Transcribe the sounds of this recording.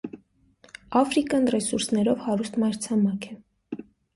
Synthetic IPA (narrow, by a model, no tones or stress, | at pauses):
ɑfɾikɑnrɛsuɾsnɛɾɔvhɑɾust̪mɑɾt͡sʰɑmɑkʰɛ